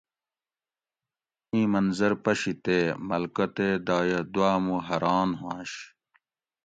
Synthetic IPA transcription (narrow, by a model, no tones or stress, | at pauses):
ĩːmɐnzɐɾpɐɕit̪eːmɐlkɐt̪eːd̪aːjɐd̪uaːmuɦɐɾaːnɦãːɕ